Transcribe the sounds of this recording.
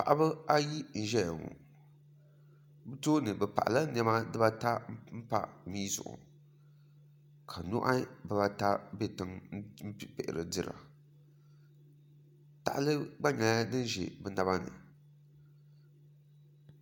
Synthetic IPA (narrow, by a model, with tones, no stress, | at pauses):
pa˨ʔa˦bɨ˦a˦ji˦n̩˨ʒɛ˦jŋṵ˨ | btoː˦nɨ˨bɛ˨pa̰˨ʔa˨la˦n˦ɛ˦ma˦dɨ˦ba˦ta˦m̩˦m̩˦pa̰˦miː˦zʊ̰˨ʔʊ̰˨ | kʰa˨nʊ˦ʔa˦bɨ˨ba˦ta˦be˦tɨ˨ŋ˦m̩˦˨pɪ˨ʔɪ˨ɾɨ̰˨dɨ˦ɾa̰˨ | ta˨ʔa˦lɨ˦ɡ͡ba˦ɲa˨˦a˦nɨ˦n˦ʒḛ˨bɛ˨˦na˨˦βa˦nɨ̰˨